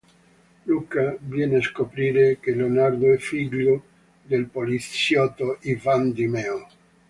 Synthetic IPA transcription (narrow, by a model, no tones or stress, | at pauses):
lukavjɛneaskopɾiːɾekeleonaɾd̪oɛfiʎːo | d̪elpolit̪sjɔt̪ːoivand̪imɛo